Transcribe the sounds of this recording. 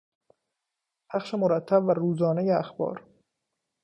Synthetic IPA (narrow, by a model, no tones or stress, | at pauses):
pʰæxʃemoɾæt̪ʰːæbværuːzɒːnejeæxbɒ̰ːɾ